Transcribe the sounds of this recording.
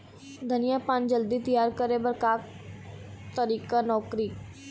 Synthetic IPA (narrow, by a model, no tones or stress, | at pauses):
d̪ʱənɪjapaːnd͡ʒəld̪it̪ijaːɾkəɾebəɾkaːk̚ | t̪əɾiːkanɔːkɾiː